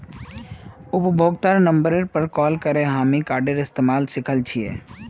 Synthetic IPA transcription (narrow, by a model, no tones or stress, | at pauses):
ʊpbʱoːɡt̪aɾnə̃mbəɾeɾpəɾkɔːlkəɾeɦaːmikaːɾɖəɾɪst̪eːmaːlsɪkʰəlt͡ʃʰiḛː